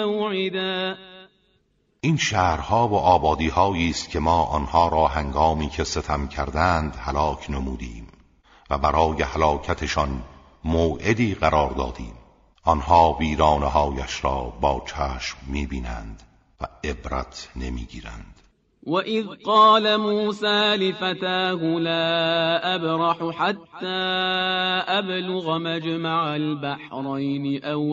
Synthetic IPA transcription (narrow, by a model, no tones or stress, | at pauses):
wʕɪd̪a | ʔiːnʃæːhɾhɒːvoʔɒːbɒːd̪iːhɒːjiːst̪cʰe̞mɒːʔɒnhɒːɾɒːhæŋɡɒːmiːcʰe̞set̪ʰæmcʰæɾd̪ænd̪hælɒːkʰnemuːd̪ḭːm | væbæɾɒːjehælɒːcʰæt̪ʰe̞ʃɒn | moːʔe̞d̪iːɣæɾɒːɾd̪ɒ̰ːd̪ḭːm | ɒnhɒːbiːɾɒːneɦɒːjæʃɾɒːbɒːt͡ʃʰæːʃmːiːbiːnæ̰nd̪ | væ̰e̞bɾæ̰t̪ʰne̞mḭːɡiːɾæ̰nd̪̥ | waʔɪðqɑːlamuːsaːlɪfat̪aːɦʊlaːʔabɾɑħʊħat̪ːaː | ʔablʊɣamad͡ʒmaʕalbaħɾˤɑjnɪʔaw